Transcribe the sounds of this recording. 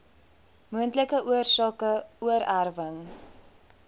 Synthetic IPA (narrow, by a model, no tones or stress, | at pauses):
muəntləkəʔuərsɑːkəuəɾærvəŋ